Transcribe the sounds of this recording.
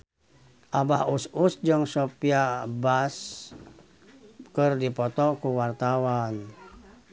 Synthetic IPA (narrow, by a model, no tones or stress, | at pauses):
ʔabahususd͡ʒəŋsɔpiabas | kɨrdipɔt̪ɔkuwart̪awan